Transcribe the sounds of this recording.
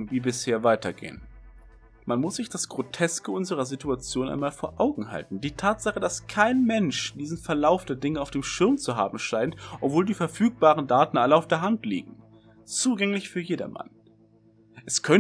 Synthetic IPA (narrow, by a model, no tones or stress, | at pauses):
viːbɪsheːɐvaɪtɐɡḛːən | manmʊsz̥ɪçd̥asɡ̥ʁotʰɛskəʊnzəʁɐzituat͡sjoːnʔa̰ɪnmaːlfoːɐʔaʊɡŋ̩ɦa̰ltn̩diːtʰaːtz̥aχəd̥askʰaɪnmɛnʃd̥iːzn̩fɛɐlaʊfd̥eːɐdɪŋəaʊfd̥eːmʃɪɐmt͡suɦa̰ːbm̩ʃaɪntʔɔpv̥oːldiːfɛɐfyːk̚b̥aːʁ̞əndaːtn̩ʔaləaʊfd̥eːɐɦantlḭːɡŋ̩ | t͡suːɡɛŋlɪçfyːɐjeːdɐ̰mʔa̰n | ʔɛskʰœ